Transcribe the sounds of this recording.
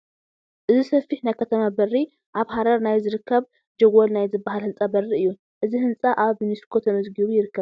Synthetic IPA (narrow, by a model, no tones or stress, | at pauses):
ʔɨzisɐfːiħnajkʰɐt̪ʰɐmabɐrːi | ʔaβhaɾɐɾnajzɨɾɨkʰːɐβ | d͡ʒɐɡolnajzɨbːaɦalhɨnt͡sʼabɐrːiɨjːu | ʔɨzihɨnt͡sʼaʔaβniskʰo̞t̪ʰɐmɐzɡɨβujɪɾɨkːɐβ